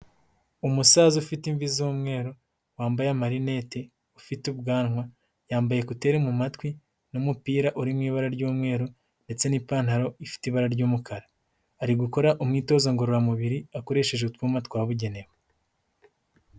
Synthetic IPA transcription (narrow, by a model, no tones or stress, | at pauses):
umusaːzufitiɱvizuːmŋe̞ːɾo | waːmbajamaɾine̞ːte̞ | ufitubɡaːnŋwa | jaːmbaje̞kute̞ːɾemumatwi | numupiːɾaʔuɾimŋiːβaɾaɾɟuːmŋe̞ːɾo | ndet͡se̞nipaːn̥haɾo̞ifi̥tiβaɾaɾɟuːmukʰaɾaː | ɾiɡuko̞ɾaʔumŋiːto̞ːzaŋɡoɾoɾamuβiɾiakoɾe̞ːʃe̞ʒeutwumatkwaːβuɟe̞ne̞we